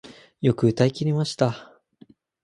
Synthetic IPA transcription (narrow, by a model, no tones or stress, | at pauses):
jo̞kɯ̟ɯ̟t̪aikʲiɾʲimaɕi̥t̪a